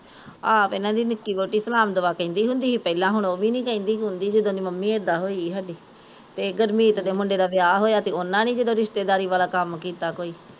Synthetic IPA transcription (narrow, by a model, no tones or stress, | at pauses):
aːpɪnãːd̪iːnɪkːiːboːʈiːsəlaːmd̪ʊʋaːkəĩːnd̪iːɦʊ̃nd̪iːɦiːpɛːlãːɦʊɳoːbiːnĩːkəĩːnd̪iːɦʊnd̪iːd͡ʒɪd̪õːd̪iːməmːĩːeːd̪aːɦoːiːɡɦəɖiː | t̪eːɡəɾmiːt̪d̪eːmʊɳɖeːd̪aːʋɪjaːɦoːjaːt̪eːʊnãːnĩːd͡ʒɪd̪õːɾɪʃt̪eːd̪aːɾiːʋaːlaːkəmkiːt̪aːkoːiː